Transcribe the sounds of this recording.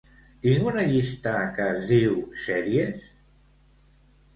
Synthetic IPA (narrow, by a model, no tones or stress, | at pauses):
t̪iŋɡunɐʎist̪akəːzðiwsɛɾies